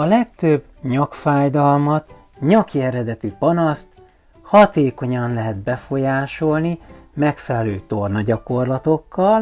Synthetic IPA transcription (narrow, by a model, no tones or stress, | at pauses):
ɒlɛkt̪øbːɲɒkfaːjd̪ɒlmɒt̪ | ɲɒkiɛɾɛd̪ɛt̪ypɒnɒst̪ | hɒt̪eːko̞ɲɒnlɛɦɛd̪bɛfo̞jaːʃo̞lnimɛkfɛlɛløːt̪o̞rnɒɟɒko̞rlɒt̪o̞kːɒl